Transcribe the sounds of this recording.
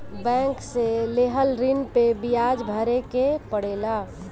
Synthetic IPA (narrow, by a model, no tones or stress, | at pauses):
bɛ̃ŋkseleɦəlɾinpebijad͡ʒbʱəɾekepəɽ̤eːla